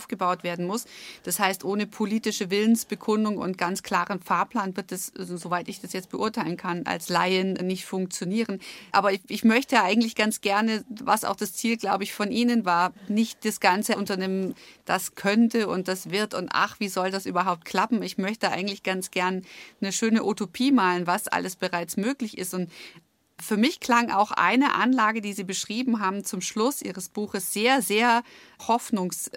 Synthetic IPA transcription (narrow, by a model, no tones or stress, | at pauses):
ʔʊfɡ̥əbaʊtv̥eːɐdn̩mʊsd̥ashaɪstʔoːnəpʰoliːtɪʃəvɪlənsb̥əkʰʊndʊŋʊ̰ntɡ̥ant͡skʰl̥aːʁənfaːɐpʰl̥aːnvɪɐt̚d̥aszovaɪtɪçd̥asjɛt͡st̚b̥əʔʊɐtʰaɪlənkʰanʔa̰lslaɪənnɪçtfʊŋk̚t͡sjoniːʁənʔa̰ːbɐʔɪçmœçtəʔaɪɡŋ̩tlɪçɡ̥ant͡sɡ̥ɛɐnəva̰sʔa̰ʊxd̥ast͡siːlɡlaʊbəɪçfɔnʔiːnənvaːɐnɪçt̚d̥asɡ̥ant͡səʔʊntɐneːmənd̥askʰœntəʊnt̚d̥asv̥ɪɐtʊntʔa̰χv̥iːzɔldasʔyːbɐɦaʊp̚t̚kʰl̥apm̩ɪçmœçtəʔa̰ɪɡŋ̩tlɪçɡ̥ant͡sɡ̥ɛɐnnəʃøːnəʔutopʰiːmaːlənvasʔa̰ləsb̥əʁaɪt͡smøːklɪçɪ̰stʊnt | fyːɐmɪçkʰl̥aŋʔa̰ʊxʔa̰ɪnəʔa̰nlaːɡədiːziːbəʃʁ̥iːbm̩ɦaːbm̩t͡sʊmʃlʊsʔḭːʁ̞əsb̥uːxəsz̥eːɐzeːɐ | hɔfnʊŋs